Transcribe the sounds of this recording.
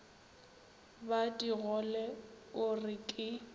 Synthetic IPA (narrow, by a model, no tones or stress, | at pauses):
badiɣɔlɛ | ʊrɪkʼɪ